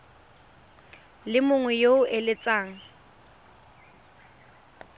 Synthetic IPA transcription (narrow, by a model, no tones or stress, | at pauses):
lɪmʊŋwɛjoʊʔelɪt͡sʼaːŋ̩